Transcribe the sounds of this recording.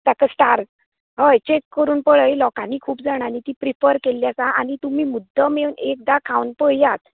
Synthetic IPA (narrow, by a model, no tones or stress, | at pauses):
t̪akəsʈaɾd͡z | ɦəjt͡ɕekːəɾuːnpəɭəjlɔkaniːkʰuːpd͡zaɽ̃anit̪iːpɾifəɾkelːjat͡saañit̪um̤iːmud̪ʱːəmewnek̚d̪akʰawnpəjiat̪